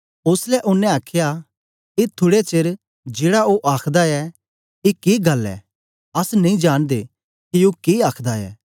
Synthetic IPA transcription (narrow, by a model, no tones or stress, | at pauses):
ʊslɛʔʊnːɛ̃aːkʰja | eːt̪ʰʊɽet͡ʃeːɾ | d͡ʒeːɽaoʔaːkʰd̪aɛ | ekeːɡɐlːɛ̰ː | ɐsnɐĩd͡ʒaːɽ̃d̪e | kiokeaːkʰd̪aɛ̰ː